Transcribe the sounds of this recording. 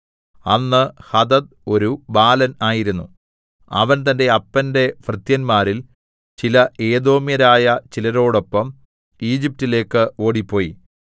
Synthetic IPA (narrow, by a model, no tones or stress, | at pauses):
ɐnːɨhɐd̪ɐd̪̚ | o̞ɾubaːlɐnaːjiɾunːu | ɐ̰ʋɐnt̪ɐnde̞ɐpːɐnde̞frɨt̪jɐnmaːɾil | t͡ɕilɐʔe̞ːd̪o̞ːmjɐɾaːjɐt͡ɕilɐɾo̞ːɽo̞pːɐm | iːd͡ʑip̚tile̞ːkːɨo̞ːɽipːo̞ːji